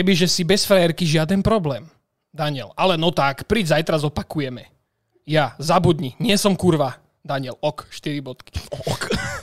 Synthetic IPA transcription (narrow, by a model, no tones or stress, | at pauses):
kɛbiʒɛsibɛsfɾɛɛɾkiʒɪad̪ɛnpɾɔblɛːm | d̪aɲɪɛlalɛnɔt̪akpɾiːd͡ʒzajt̪ɾazɔpakujɛmɛ | jazabud̪ɲiɲɪɛsɔmkuɾʋa | d̪aɲɪɛlɔkʃt̪iɾibɔt̪ki̥k